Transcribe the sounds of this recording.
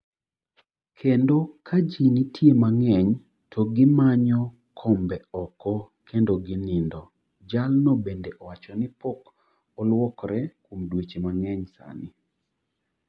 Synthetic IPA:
kʰendokʰad͡ʒinitʰjemaŋɛɲ | tʰɔɡɪmaɲɔ | kʰɔmbɛɔkɔ | kʰendoɡɪnɪndɔ | d͡ʒalnobendeʔɔwat͡ʃɔnɪpɔk | ɔlwɔkɾɛkomdwet͡ʃemaŋɛɲsa̰nɪ

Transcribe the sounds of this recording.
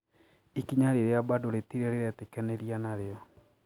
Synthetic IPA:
ikiɲaɾeɾeabadoɾetiɾɛɾeɾatekɛneɾianaɾeɔ

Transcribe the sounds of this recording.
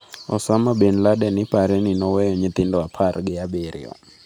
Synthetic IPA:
ɔsamabenladɛnɪpaɾɛnɪnɔwɛjɔɲɪt̪ɪndɔapʰarɡɪabeɾɪ̰ɔ̰

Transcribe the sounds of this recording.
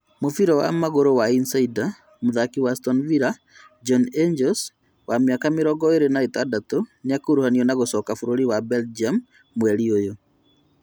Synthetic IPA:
mofiɾɔwa̰maɣoɾowainsaida | moðakiwastɔnviɾa | d͡ʒɔnend͡ʒɔls | wameakameɾɔɡɔeɾenaetadatoneakoɾuhaniɔnaɣosɔːkafoɾoɾiwabɛld͡ʒiamː | wɛɾiojo

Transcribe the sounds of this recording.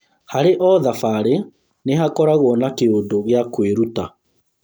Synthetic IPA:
haɾeʔɔðafaɾe | neɦakɔɾaɣwɔnakeondoɣeakweɾuta

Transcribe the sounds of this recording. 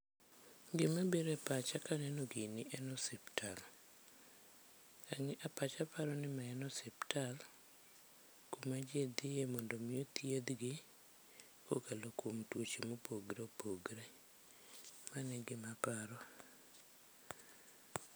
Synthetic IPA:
ɡɪmabeɾɛpat͡ʃakanɛnoɡɪnɪʔɛnɔsiptʰal | aŋɛʔapat͡ʃapaɾɔnɪmaɛnɔsiptal | kumad͡ʒed̪ɪjemɔndomiot̪jed̪ɡɪ | ko̰kalokomtwot͡ʃemopoɡɾeopoɡɾe | manɛɡɪmapaɾɔ

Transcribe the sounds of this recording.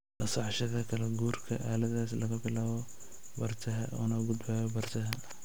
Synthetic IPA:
nɐsɑʕʃɐðɐkʰɐlɐɡuːrkʰɐʔaːlɐðaːslɐɣɐbɪlaːβɔ | bɐrt̪ʰɐɦɐʔɔːnɐɡʊd̪bɛːjɔbɐrt̪ʰɐɦɐ

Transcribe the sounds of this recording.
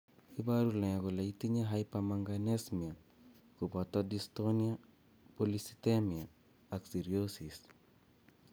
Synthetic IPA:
ibaɾulɛakolaitiɲaɦajpamaŋɡanesmia | kupɔtɔdistonia | polisi̥temia | aksiɾiosis

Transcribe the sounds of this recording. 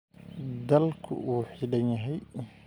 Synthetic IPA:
d̪ɐlkʰʊ̰ʔuːħɪɽɐnjɐɦɛj

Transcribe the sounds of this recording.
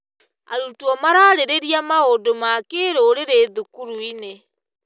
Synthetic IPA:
a̰ɾutuɔmaɾaːɾeɾeɾiamaodomakeɾoːɾeɾeːðukuɾuine

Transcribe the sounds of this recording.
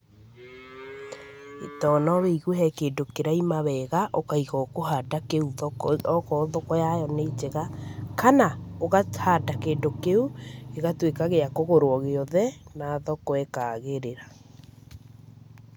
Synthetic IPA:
ḛtɔːnɔweiɣuɦɛkeːdokeɾaimaβɛɣaʔokaiɣɔkoɦadakeuðɔɔkɔðɔkɔjajɔnet͡ʃeɣakanaoɣathaːdakeːndokeueɣatwekaɣeakoɣoɾoɔɣeɔðɛnaːðɔkɔekaɣeɾeɾa

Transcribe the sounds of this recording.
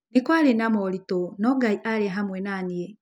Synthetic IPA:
nekwaɾenamɔlitonɔɡaiʔaɾeɦamwɛnaniɛ

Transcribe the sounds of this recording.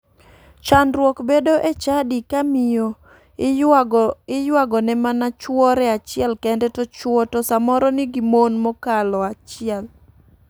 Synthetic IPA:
t͡ʃanɾwɔkbedoʔet͡ʃadikamijo | ɪjwaɡɔnɛmanat͡ʃwɔɾɛat͡ʃɪɛlkɛndɛtɔt͡ʃwɔtɔsamɔɾɔnɪɡimonmɔkalɔat͡ʃɪɛl

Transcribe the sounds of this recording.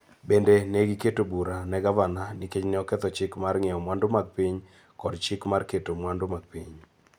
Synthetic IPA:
bendeneɡiketobuɾanɛɡavananɪket͡ʃnɪɔkɛt̪ɔt͡ʃɪkmarŋɪɔmwandʊmaɡ̚piɲ | kɔdt͡ʃɪkmarketomwandʊmaɡ̚piɲ

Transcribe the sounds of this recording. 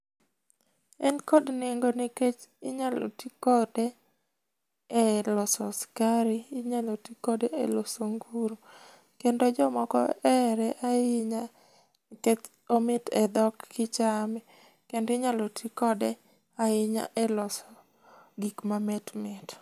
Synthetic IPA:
ɛnkɔdneŋɡoniket͡ʃɪɲalo̰tikɔdɛ | lɔsɔskaɾiːɲalotikɔdeelosoŋɡuɾo | kendod͡ʒɔmɔkɔ̰ɛɾɛʔaɪɲa | kɛt͡ʃ | omɪtɛd̪ɔkʰːɪt͡ʃamɛ | kendɪɲalotʰikɔdɛ | aɪɲa̰ʔɛlɔsɔ | ɡikmamɛtmɪt

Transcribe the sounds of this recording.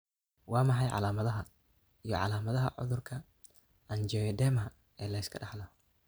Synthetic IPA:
wɑːmɑħɑjʕɑ̰laːmɐðɐɦɐ | ijɔʕɑ̰laːmɐðɐɦɐ̰ʕʊ̰ðʊrkʰɐ | ʔɐnd͡ʒɛːjɛd̪ɛːmɐ | ɛːlɐjskʰɐɗɑħlɐ

